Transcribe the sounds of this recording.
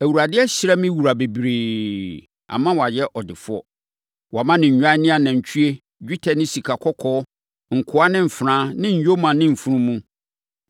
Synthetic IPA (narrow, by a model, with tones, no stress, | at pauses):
æ˨wu˨ɾa˨dɪ˦ɛ˦ɕɪ˦ɾa˦mɪ̃˦wu˨ɾa˨be˨bɾeː˨ | a̰˨mã˦wɔ˨a˨jɛ˦ʔɔ˨dɪ˨fʊ˦ɔ̰˦ | wa˨mã˦nɪ̃˨ɲ̩˨ɲᶣ˦ã˦nɪ̃˦a˨nã˨ɲ̩˨t͡ɕᶣʰy˦e˦ | d͡ʑᶣu˦tʰɛ˨nɪ̃˦si˨kʰa˨kʰɔ˦kʰɔː˦ | ŋ̩˨kʰʊ˦a˦nɪ̃˦m̩˨fɾãː˦nɪ̃˦ɲ̩˨jo˦mã˨nɪ̃˦m̩˨fu˦ɾũ˦mũ˦